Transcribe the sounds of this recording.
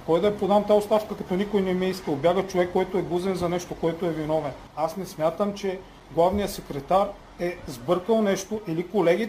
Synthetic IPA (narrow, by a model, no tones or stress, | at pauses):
kɔjd̪ɐɛpod̪ant̪aost̪aʃkɐkɐt̪ɔnikojnɛmiɛiskəlˠbʲjaɡət͡ʃovɛkːɔjt̪ʊɛɡˠuzɛnzɐnɛʃt̪okoɛt̪ʊɛvinɔvɛn | asnɛsmʲjat̪əmt͡ʃɛ | ɡlˠavnijəsɛkɾɛt̪aɾ | ɛzbɤɾkəlˠnɛʃt̪oʔilikolɛɡ̟ʲi